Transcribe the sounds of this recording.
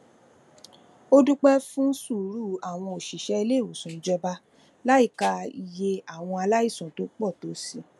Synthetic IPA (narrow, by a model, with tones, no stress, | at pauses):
o˦du˦k͡pɛ˦fũ˦su˦˨ɾu˦˨a˨w̃ɔ̃˧o˨ʃi˨ʃɛ˨˦i˧le˦˨o˨sũ˨˦d͡ʒɔ˧ba˧ | la˦i˦˨ka˧i˨je˧a˦˨w̃ɔ̃˧a˧la˦i˦˨sɔ̃˨to˦k͡pɔ˦˨to˨˦si˦